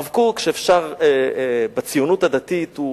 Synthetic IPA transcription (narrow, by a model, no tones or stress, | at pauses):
vkukʃeefʃaʁebat͡sijunuthad̪at̪it̪u